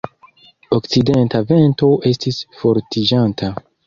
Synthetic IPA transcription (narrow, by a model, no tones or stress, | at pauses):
okt͡side̞ntave̞nto̞ʔe̞stisfo̞ɾtid͡ʒanta